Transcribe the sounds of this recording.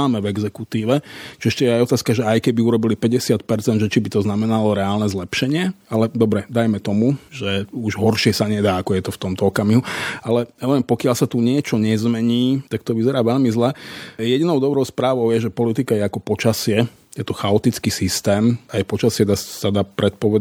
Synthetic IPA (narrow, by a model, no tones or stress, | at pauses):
aːmɛvɛɡzɛkut̪iːʋɛt͡ʃiɛʃcɛjɛajɔt̪aːskaʒɛajkɛbiuɾɔbilipɛɟɛsɪat̪̚pɛɾt͡sɛnd̪ʒɛt͡ʃibit̪ɔznamɛnalɔɾɛaːlnɛzlɛpʃɛɲɪɛalɛd̪ɔbɾɛd̪ajmɛt̪ɔmuʒɛuʒɦɔɾʃɪɛsaɲɛd̪aːakɔjɛt̪ɔft̪ɔmt̪ɔɔkamiɦualɛaɛʋɛmpɔkɪaʎsat̪uɲɪɛt͡ʃɔɲɛzmɛɲiːt̪akt̪ɔʋizɛɾaːʋɛʎmizlɛjɛd̪inɔʊd̪ɔbɾɔʊspɾaːʋɔʊjɛʒɛpɔlit̪ikajɛakɔpɔt͡ʃasɪɛ | jɛt̪ɔxaɔt̪it͡skiːsist̪ɛːmajpɔt͡ʃasɪɛd̪assad̪apɾɛt̪̚pɔʋɛ